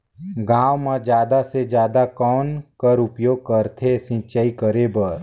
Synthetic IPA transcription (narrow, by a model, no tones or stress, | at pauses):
ɡãːwmãd͡ʒjaːd̪ased͡ʒjaːd̪akɔːnkəɾʊpjoːɡ̚kəɾt̪ʰesɪ̃t͡ʃəikəɾebəɾ